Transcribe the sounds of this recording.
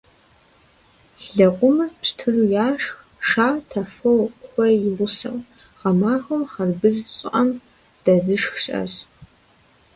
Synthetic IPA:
ɬɮɐqʷʼʊmɨrpɕtʰɨrujaːʂx | ʂaːtʰɐfowχʷɔjɪʁʷʊsɐ̰w | ʁɐmaːʁɐmχɐrbɨzɕʼɪʔɐm | d̥ɐzɨʂxɕʼɐ̰ɕ

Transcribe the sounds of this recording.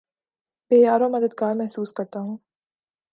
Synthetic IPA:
beːjaːɾõmɐd̪əd̪ɡaːɾmɛɦsuːskɐɾt̪aɦũː

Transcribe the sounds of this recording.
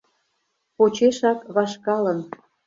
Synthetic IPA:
pot͡ɕeʃɑkβɑʃkɑlə̆n

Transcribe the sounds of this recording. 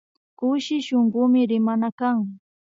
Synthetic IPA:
kʊʃɪʃoɴɢʊmɪɾɪmanakaŋ

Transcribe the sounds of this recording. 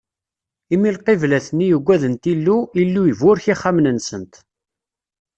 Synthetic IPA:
imilqivlæθnːijəɡʷːæðənt̪ilːuilːujəvʊɾçiχːamnənsənt̪

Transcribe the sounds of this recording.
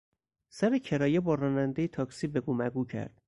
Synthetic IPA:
sæɾecʰe̞ɾɒːjebɒːɾɒːnænd̪ejet̪ʰɒːksiːbeɡumæɡuːcʰæ̰ɾd̪̥

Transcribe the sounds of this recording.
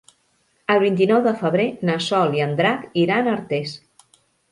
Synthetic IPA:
əlˠβint̪̬inɔwðəfəβ̞ɾenəsɔliənd̪ɾakiɾanəɾt̪es

